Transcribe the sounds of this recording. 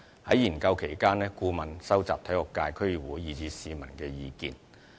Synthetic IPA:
hɐ˨˥jjiː˨˩nkɐ˧wkʰe˨˩jkaː˥nɛː˥kuː˧mɐ˨nsɐ˥wt͡saː˨p̚t̪ʰɐ˨˥jhɔ˨kkːaː˧jkʰɵ˥ɥy˨˩wuː˨˥jːiː˨˧t͡siː˨˧siː˨˧mɐ˨˩nkɛː˧jiː˨˧kḭː˧n

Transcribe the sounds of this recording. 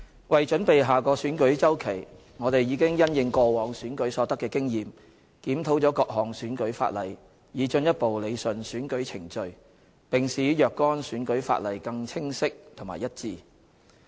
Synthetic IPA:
wɐ˨jt͡ʃɵ˨˥npe˨jɦaː˨kɔː˧syː˨˥nkɵ˨˥ɥt͡sɐ˥wkʰe˨˩j | ŋɔː˨˧t̪e˨jjiː˨˧kɪ˥ŋjɐ˥njɪ˧ŋkɔː˧wɔː˨˥ŋsyː˨˥nkɵ˨˥ɥsɔː˨˧˥t̪ɐ˥kːɛː˧kɪ˥ŋjiː˨m | kiː˨˥mt̪ʰo˨˥wt͡sɔː˨˥kɔː˧k̚ɦɔː˨˩ŋsyː˨˥nkɵ˨˥ɥfa̰ː˧˨t̚lɐ˨˩j | jiː˨˧t͡ʃɵ˧njɐ˥t̚po˨wle˨˧jsɵ˨nsyː˨˥nkɵ˨˥ɥt͡sʰɪ˨˩ŋt͡ʃɵ˨ɥ | pɪ˨ŋsiː˨˥jœː˨˧kːɔː˥nsyː˨˥nkɵ˨˥ɥfa̰ː˧t̚lɐ˨˩jkɐ˧ŋt͡sʰɪ˥ŋsɪ˥k̚t̪ʰʊ˨˩ŋmaː˨˩jɐ˥t̚t͡siː˨˧

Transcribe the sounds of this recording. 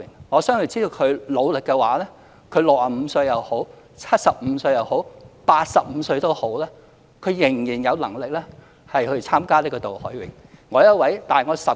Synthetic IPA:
ŋɔ˨˧sœː˥ŋhɵ˧˩t͡siː˥d̪o˨˧wkʰɵ˨˧ɥlo˨˧wlɪ˨kːɛ˧waː˨˥lɛː˥ | kʰɵ˨˧ɥlʊ˨k̚haː˨˩m̩˨˧sɵ˧ɥjɐ˨who˨˥w | t͡sʰɐ˥t̚sɐ˨p̚m̩˨˧sɵ˧ɥjɐ˨˧who˨˥wpaː˧t̚sɐ˨p̚m̩˨˧sɵ˧ɥt̪o˥who˨˥wlɛː˥ | kʰɵ˨˧ɥjɪ˨˩ŋjiː˨˩njɐ˨˧wlɐ˨˩ŋlɪ˨k̚lɛː˥ | hɐ˨jhɵ˧ɥt͡sʰaː˥mkaː˥li˥kɔ˧˩t̪o˨˩whɔː˨˥jwɪ̰˨˥ŋ | ŋɔː˨˧˥jɐ˥t̚wɐ˨˥jt̪aː˨jŋɔː˨˧sɐ˨

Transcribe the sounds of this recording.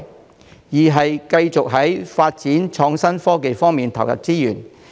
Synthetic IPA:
jiː˨˩ɦɐ˨jkɐ˧jt͡sʊ˨k̚ɦɐ˨˥jfaː˧t̚t͡siː˨˥nt͡ʃʰɔː˧ŋsɐ˥nfɔː˥ke˨jfɔː˥ŋmiː˨nt̪ʰɐ˨˩wjɐ̰˨t̚t͡siː˥jyː˨˩n

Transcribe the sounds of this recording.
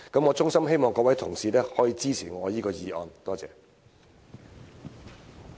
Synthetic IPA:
kɐ˦˥mŋɔː˨˧t͡sʊ˥ŋsɐ˥mhe˥jmɔː˨ŋkɔː˧˥wɐ˨˥jt̪ʰʊ˨˩ŋsiː˨˧tɛː˥hɔː˨˥jiː˨˧t͡siː˥t͡sʰiː˨˩ŋɔː˨˧jiː˥kɔː˧jiː˨˧ʔɔ̰ː˨˧nt̪ɔː˥t͡sɛ̰ː˨

